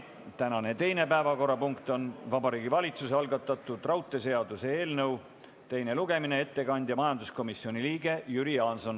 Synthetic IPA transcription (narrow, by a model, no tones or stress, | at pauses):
t̪ænɑne̞t̪e̞jne̞pæevɑko̞rːɑpuŋkt̪o̞nvɑbɑɾiːɡivɑlʲit̪suseɑlɡɑt̪ˑːɑt̪ːˑud̪̥rɑwt̪ːˑe̞se̞ɑd̪use̞e̞ːlnɤw | t̪e̞jne̞luɡ̥e̞minee̞t̪ːe̞kɑnʲd̪jɑmɑjɑnd̪usko̞misːio̞nʲiliːɡ̥e̞jyɾiɑːnso̞n